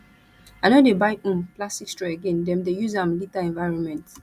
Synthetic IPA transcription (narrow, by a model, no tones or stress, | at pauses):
aɪnodebajũmplastikstɹɛeɡɛ̃ndɛ̃mdejuzãmlitaɛ̃nvaɪɹɔ̃nmɛ̃nt